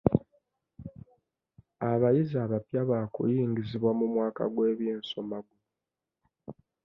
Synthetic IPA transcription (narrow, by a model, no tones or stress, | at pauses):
aβajizaːβapjaβaːkṵjiːŋɡiziβwamumwaːka̰ɡwe̞ːβjeːnso̞maɡu